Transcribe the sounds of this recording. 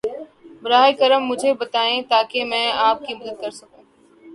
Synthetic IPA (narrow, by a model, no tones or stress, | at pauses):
bɾaːɦekəɾəmːʊd͡ʒʱebɐt̪aːẽt̪aːkemɛ̃ːaːp̚kimɐd̪əd̪̚kɐɾsɐkũː